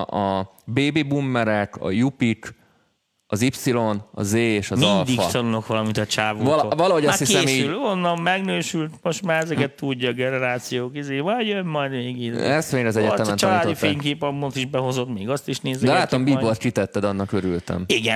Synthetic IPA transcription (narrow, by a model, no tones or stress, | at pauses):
ɒ | beːbeːbumːɛɾɛkɒ̰jupik | ɒzipsilo̞nɒ̰zeːeːʃɒmɒinld̪ikssɒlono̞kʋɒlɒmint̪ɒt͡ʃaːvuvɒlvɒlɒɦoɟɒshiskeɛmsiːylonːɒmmɛɡnøːʃylt̪mo̞ʃt̪maːɾɛzɛkɛt̪ːuɟːɒːɡɛnɛɾaːt̪sijoːkizeːmɔjjønmɒjd̪ʋeːɡiɛst̪ʋeːɲɾɛɒzɛɟɛt̪ɛmɛnt͡ʃɔlːd̪ifeːŋkeːpɒmːot̪iʒbɛɦo̞zo̞t̪meːɡɒst̪iʃneːzɛd̪ɛlːaːt̪ːombiːbolt̪kit̪ɛt̪ːɛd̪ɒnːɒkøɾylt̪ɛ̰miɡɛ